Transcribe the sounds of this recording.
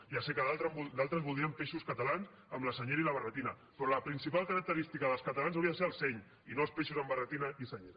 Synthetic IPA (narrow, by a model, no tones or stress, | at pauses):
iasekəðalˠt̪ɾəmbud̪alˠt̪ɾəmβulˠd̪ɾiəmpeʃuskət̪alans | əmləsəɲeɾiləβərət̪inɐ | pɾɔləpɾinsipalˠkəɾək̚t̪əɾist̪ikəðəlˠskət̪alanzawɾiɐðəseəlˠsɛɲ | inolspeʃuzəmbərət̪inaisəɲeɾ